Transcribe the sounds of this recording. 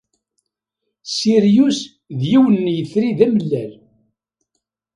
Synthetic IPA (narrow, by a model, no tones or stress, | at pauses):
siɾjus | ðjiwənːjəθɾiðæməlːæl